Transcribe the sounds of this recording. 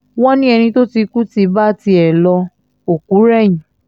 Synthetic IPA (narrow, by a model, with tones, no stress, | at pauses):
wɔ̃˦nĩ˦ɛ˧ñĩ˧to˦ti˧ku˦ti˧ba˦ti˧ɛ˨lɔ˧ | o˨ku˨˦ɾɛ˦˨jĩ˨